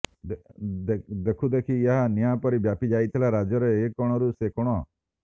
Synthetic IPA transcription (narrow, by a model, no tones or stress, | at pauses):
d̪d̪ed̪ekʰud̪ekʰijaɦanijãpɔɾibjapid͡ʒaːit̪ʰilaɾad͡ʒjɔɾeekːɔɽ̃ɔɾusekɔɽ̃ɔ